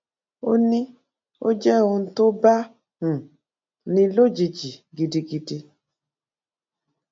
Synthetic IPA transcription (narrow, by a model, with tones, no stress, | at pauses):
o˦nĩ˦ | o̰˦d͡ʒɛ˦˨o˧n̩˦to˦ba˦˨ | nĩ˧lo˦d͡ʒi˧d͡ʒi˨ɡi˧di˧ɡi˧di˧